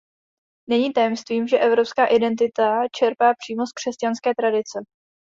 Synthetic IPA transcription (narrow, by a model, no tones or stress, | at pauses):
nɛɲiːt̪ajɛmst̪viːmʒɛʔɛvɾo̞pskaːʔɪdɛnt̪̬ɪt̪at͡ʃɛɾpaːpr̝̥iːmo̞skr̝̥ɛscanskɛːt̪ɾadɪt͡sɛ